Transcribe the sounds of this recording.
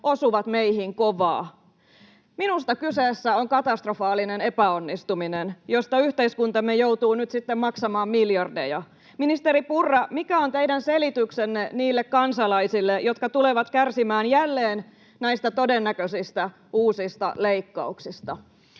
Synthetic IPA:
osuʋɑt̪meihiŋkoʋɑ̰ː | minust̪ɑkysesːæoŋkɑt̪ɑst̪rofɑːlːinene̞pæonːist̪uminenjost̪ɑyht̪eiskunt̪ɑmːejout̪uːnyt̪sit̪ːemmɑksɑmɑːmmiljɑrdejɑ | minist̪eɾipurːɑmikæont̪eidænselit̪yksenːeniːlːekkɑnsɑlɑisilːejot̪kɑt̪uleʋɑt̪kærsimæːnjælːeːn | næist̪æt̪odenːækøsist̪æ | uːsist̪ɑ̰leikːɑuksist̪ɑ

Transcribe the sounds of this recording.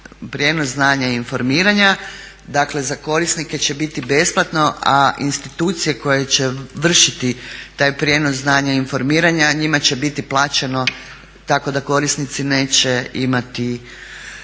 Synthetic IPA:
pɾʲje̞nosznaːɲainfo̞ɾmiːɾaɲa | d̪akle̞zako̞ɾisnike̞t͡ɕe̞bit̪ibe̞splˠat̪no̞ainst̪it̪uːt̪sije̞ko̞jet͡ɕeʋr̩ʃit̪it̪aːjpɾje̞nosznaːɲainfo̞ɾmiːɾaɲaɲimat͡ɕe̞bit̪iplˠaːt͡ɕe̞no̞ | t̪ako̞d̪ako̞ɾisnit̪sine̞ːt͡ɕe̞imat̪i

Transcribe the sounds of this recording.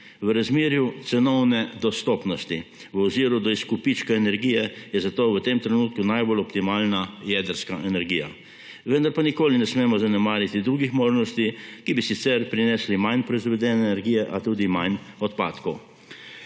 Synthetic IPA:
ʋəɾazmeːɾjut̪sɛnɔwnɛd̪ɔst̪ɔːpnɔst̪iʋɔziːɾud̪ɔiskupit͡ʃkaɛnɛɾɡijɛjɛzat̪oʋət̪emt̪ɾɛnuːt̪̚kunajbolɔpt̪imaːlnajɛd̪əɾskaʔɛnɛɾɡiːja̰ | ʋənd̪aɾpanikoːlinɛsmeːmɔzanɛmaːɾjat̪id̪ɾuːɡixmoːʒnɔst̪ikibisit̪sɛɾpɾinɛslimajnpɾɔizʋɛd̪ɛːnɛnɛɾɡiːjɛʔat̪uːd̪imajnɔt̪pa̰ːt̪kɔw

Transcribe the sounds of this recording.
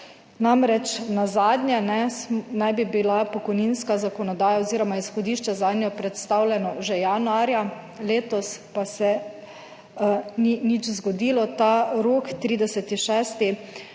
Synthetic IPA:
namɾɛt͡ʃnazaːd̪nʲjɛnɛnajbibilapɔkɔjninskazakɔnɔd̪aːjaoziːɾɔmaisxɔd̪iːʃt͡ʃɛzaːd̪nʲjɔpɾɛt̪st̪awlʲɛnɔʒɛjanuaːɾja | leːt̪ɔspasɛ | ninit͡ʃzɡɔd̪iːlɔt̪aɾoːkt̪ɾiːd̪ɛsɛt̪iʃɛːst̪i

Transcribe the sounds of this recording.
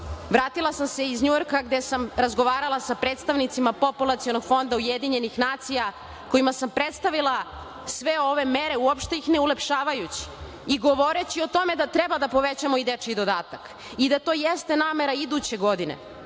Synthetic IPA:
ʋɾaːt̪ilˠasamse̞izɲujo̞ɾkaɡd̪e̞samɾazɡo̞ʋaːɾalˠasapɾe̞ːt̪st̪aʋnit̪simapo̞pulˠat̪sijo̞no̞ɡfo̞nd̪auje̞d̪iɲe̞nixnaːt̪sija | ko̞jimasampɾe̞t̪st̪aʋilˠa | sʋe̞o̞ʋe̞me̞ɾe̞uopʃt̪e̞ixne̞ulepʃaːʋajut͡ɕi̥ | iɡo̞ʋo̞ɾe̞t͡ɕio̞t̪o̞me̞d̪at̪ɾe̞bad̪apo̞ʋe̞t͡ɕamo̞id̪et͡ʃkid̪o̞d̪aːt̪ak | id̪at̪o̞ːjest̪enaːme̞ɾaid̪ut͡ɕe̞ɡo̞d̪inḛ

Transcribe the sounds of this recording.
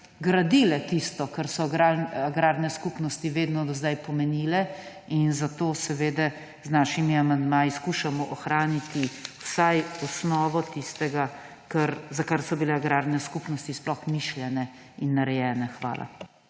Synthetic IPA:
ɡɾad̪ilɛt̪ist̪ɔkaɾsɔɡɾaaɡɾaːɾnɛskupnɔst̪iʋeːd̪nɔzd̪ajpɔmɛniːlɛ | inzat̪oːsɛʋeːd̪ɛ | znaːʃimiamand̪maːjiskuːʃamɔʔɔxɾaːnit̪iwsajɔsnɔːʋɔt̪ist̪ɛɡa | kɐɾzakaɾsɔbilɛaɡɾaːɾnɛskupnɔst̪isplɔxmiʃlʲjɛnɛ | inːaɾɛjɛːnɛxʋa̰ːlʔa̰

